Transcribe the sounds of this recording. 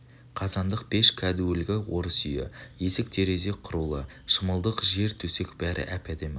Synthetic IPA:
qʰɑzɑnd̪əq̚be̞ʃkʲʰæd̪uwɪlɡʲɪwo̞ɾəsʏjɪ̰je̞sɪk̚t̪ʰe̞ɾe̞ze̞qʰʊɾulˠə̰ | ʃəməlˠd̪əqʒe̞ɾt̪ʰɵsekbæɾʔɪ̰ʔæpæd̪em

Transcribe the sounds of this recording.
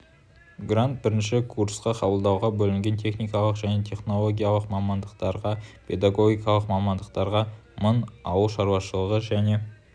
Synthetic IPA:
ɡrant̪̚bɪɾɪnʃɪkʰursqɑqʰɑbəlˠd̪ɑwʁɑbɵlɪŋɡʲe̞nt̪ʲʰe̞χnijkɑlˠəqʒæne̞t̪ʰe̞χno̞lˠo̞ɡʲijalˠəqmɑmɑnd̪əqt̪ɑɾʁɑpʰe̞d̪aɡo̞ɡʲijkɑlˠəqmɑmɑnd̪əq̚t̪ɑɾʁɑ | mənɑwəlˠʃɑɾuwɑʃəlˠəʁəʒæne̞

